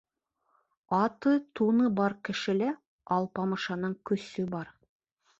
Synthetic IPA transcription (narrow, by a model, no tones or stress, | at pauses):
ɑt̪ɤt̪unɤbɑɾkɘ̆ʃɘ̆læ | ɑlˠpɑmɤ̆ʃɑnɤɴkɵ̆sɵbɑɾ